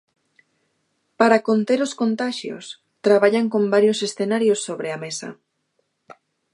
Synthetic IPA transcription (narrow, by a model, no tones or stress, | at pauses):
paɾakont̪eɾoskont̪aʃjo̰s | t̪ɾaβaʎaŋkombaɾjosesθenaɾjosːoβɾeamesɐ̰